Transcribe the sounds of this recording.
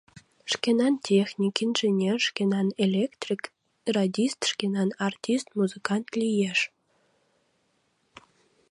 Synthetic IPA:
ʃkʲenɑntʲexnʲikʲinʲʒenʲerʃkʲenɑnelʲekt̪rʲik | rɑdʲist̪ʃkenɑnɑrtʲist̪̚muzɨkɑnt̪lʲijeʃ

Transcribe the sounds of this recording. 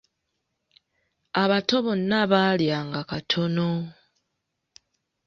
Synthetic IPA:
aβato̞βonːaβaljaːŋɡakatʰo̞no

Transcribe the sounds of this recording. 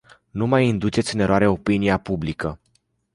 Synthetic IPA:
numajind̪ut͡ʃet̪sʲɨne̞ɾoaɾe̞o̞piniapublikə

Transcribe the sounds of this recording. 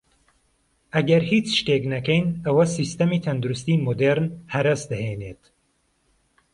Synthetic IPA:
ɐɡɐɾhit͡ʃʃt̪eknɐkɛjnɐwɐsist̪ɐmiːt̪ʰɐnd̪uɾust̪iːmod̪eɾnhɐɾɐsd̪ɐheːnet̪

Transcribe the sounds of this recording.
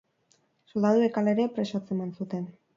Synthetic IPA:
so̞ld̪aðuekaleɾepɾe̞sat͡semansut̪e̞n

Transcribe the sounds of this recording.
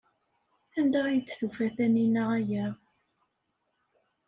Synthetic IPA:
ænd̪æʁjət͡sːθufæθæninːəʁæjæ

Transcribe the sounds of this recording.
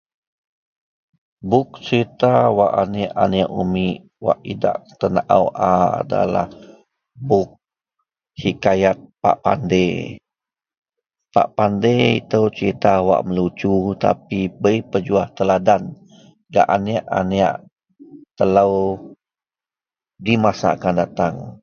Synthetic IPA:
bʊk̚t͡ʃəɾit̪awaʔaniaʔaniaʔumiʔ | wa̰ʔida̰ʔt̪ənaʔawʔaa̰da̰la̰h | bʊk̚ | sikajat̪̚pa̰ʔpande | pa̰ʔpandeḭt̪əwt͡ʃəɾit̪awa̰ʔməlut͡ʃut̪a̰pibəipəd͡ʒuaht̪əladan | ɡa̰ʔaniaʔa̰nia̰ʔ | t̪ələw | dimasa̰ʔkandat̪aŋ

